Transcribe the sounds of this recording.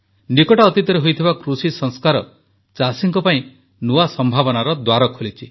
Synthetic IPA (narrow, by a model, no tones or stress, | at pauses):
nikɔʈɔːt̪it̪ɔɾeɦojt̪ʰibakɾusisɔŋskaɾɔ̰ | t͡ʃasiŋkɔpaĩ | nuasɔmbʱabɔnaɾɔd̪waɾɔkʰolit͡ʃʰi